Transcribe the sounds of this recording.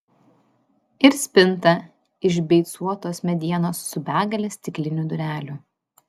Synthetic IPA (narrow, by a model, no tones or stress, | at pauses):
ɪɾsʲpʲɪnt̪ɐ | ɪʒbʲɛɪt̪suɔt̪oːsmʲɛd̪ʲiɛnoːsːʊbʲæːɡɐlʲeːsʲt̪ʲɪklʲɪnʲʊd̪ʊɾʲæːlʲʊ